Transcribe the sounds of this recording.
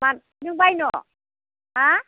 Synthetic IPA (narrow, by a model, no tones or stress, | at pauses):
man | nɯŋbajnɔ | a